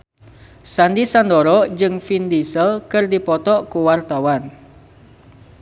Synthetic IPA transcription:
sandisandɔɾɔd͡ʒɨŋfindisəlkɨrdipɔt̪ɔʔkuwart̪awan

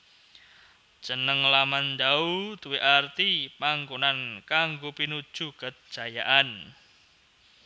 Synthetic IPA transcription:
ʒ̥ənəŋlamand̪aut̪uweʔart̪ipaŋkonankaŋɡopinud̥ʒ̥ukəd̥ʒ̥a̤jaʔan

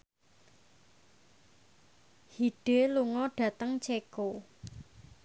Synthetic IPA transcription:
hiɖ̥eluŋɔɖ̥ä̤t̪əŋt͡ʃeko

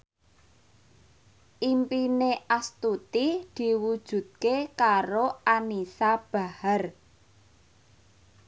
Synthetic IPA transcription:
ʔimpineʔast̪ut̪id̪̥i̤wud̥ʒ̥ṳd̪̚kekaɾoanisab̥a̤har

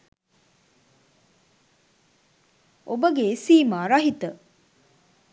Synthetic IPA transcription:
ʔobəɡeesiːmaɾaɦit̪ə

